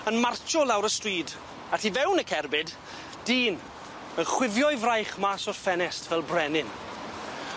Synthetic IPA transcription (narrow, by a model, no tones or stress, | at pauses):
ənmart͡ʃʰɔlawɾəstwiːd | ativɛwnəkʰɛrbɪd | d̥iːn | ənχwɪvjɔɨvrajχmasɔrfɛnɛstʰvɛlˠbrɛnɪn